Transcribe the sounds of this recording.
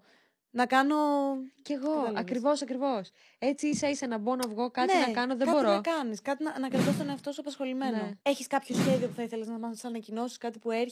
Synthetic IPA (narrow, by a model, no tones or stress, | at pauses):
nɐkɐno̞ce̞ɣo̞ɐkɾivo̞sɐkɾivo̞s | et͡siisɐisenɐbo̞nɐvɣo̞kɐtninɐkɐno̞ðeɐbo̞ɾonɐkɐniskɐt̪inɐnɐkɐɾt̪ost̪oneɐft̪osuɐpɐsxo̞limenoeçiskɐpço̞sçe̞ðio̞puθɐiθe̞leznɐmɐsɐnɐcino̞si̥skɐt̪ipue̞ɾ